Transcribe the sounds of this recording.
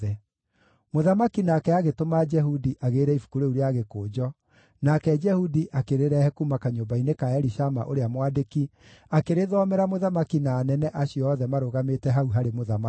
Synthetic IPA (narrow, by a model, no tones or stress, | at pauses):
ɛ | moðamakinaːkɛaɣetomad͡ʒɛɦudiʔaɣeːɾɛifu̥kuɾeuɾeaɣekoːd͡ʒɔ | nakɛd͡ʒɛhudiʔakeɾeɾɛhɛkumakaɲobainekaɛɾiʃama̰ʔoɾeamwadeki | akeɾeðɔmɛɾamoðamakinaːnɛnɛʔaɕiɔːðɛmaɾoɣametɛɦauɦaɾemoðama